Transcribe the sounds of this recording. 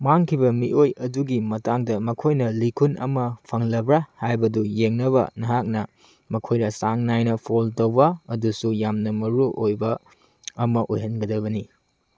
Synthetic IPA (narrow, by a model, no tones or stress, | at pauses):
maŋkʰibɐmiʔojɐduɡimɐtaŋdɐmɐkʰojnɐlikʰunɐ̰mɐpʰɐŋlɐbɾahajbɐdujeŋnɐβɐ̰nɐɦak̚nɐ | mɐkʰojnɐsaŋnajnɐpʰoltɐwbɐɐdusujamnɐmɐɾuʔojbɐː | mɐʔojɦɐnɡɐdɐβɐni